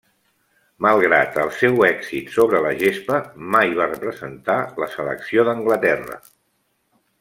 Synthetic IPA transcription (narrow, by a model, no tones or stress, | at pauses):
məlˠɣɾa̰t̪əlˠsɛwɛksit̪soβɾələʒespəmajβarəpɾəzənt̪aləsələ̰ksioðəŋɡlət̪ɛrə̰